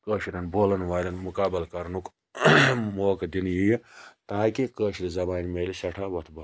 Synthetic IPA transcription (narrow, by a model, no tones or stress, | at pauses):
kəːʃiɾʲɐnboːlɐnʋaːlʲɐnmukaːbɐlkɐɾnuk | moːkd̪injijt̪aːkikəːʃiɾizɐbaːnʲmeːlʲisɐʈʰaːʋɐt̪ʰbɐ